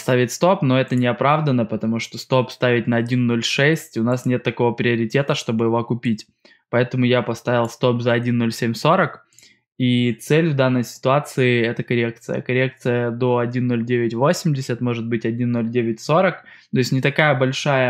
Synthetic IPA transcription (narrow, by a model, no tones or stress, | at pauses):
st̪avʲɪtʲst̪o̞pno̞ɛt̪ənʲɪɐpɾavd̪ənəpət̪ɐmuʂt̪ost̪o̞pst̪avʲɪt̚ʲnɐɐdʲinːo̞lʲʂɛsʲtʲʊnasnʲe̞t̪ːɐko̞vəpɾʲɪɐɾʲɪtʲe̞t̪əʂt̪o̞bɨjɪvokʊpʲitʲ | pɐɛt̪əmʊjapɐst̪avʲɪlˠst̪o̞pzɐɐdʲinːo̞lʲsʲemʲso̞ɾək | it̪sɛlʲvd̪anːəjsʲɪ̥t̪ʊat̪sɨɪɛt̪əkɐɾʲek̚t̪sɨ̰jə̰kɐɾʲe̞k̚t̪sɨjəd̪o̞ɐdʲinːo̞lʲdʲevʲɪtʲvo̞sʲɪmʲdʲɪsʲət̪mo̞ʐɨt̪̚bɨtʲɐdʲinːo̞lʲdʲevʲɪtʲso̞ɾək | t̪ojɪsʲnʲɪt̪ɐkajəbɐlʲʂajə